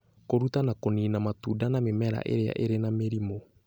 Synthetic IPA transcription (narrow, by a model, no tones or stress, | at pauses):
koɾutanakoniːnamatudanamemɛɾa̰ʔḛɾea̰ʔeɾenameɾimo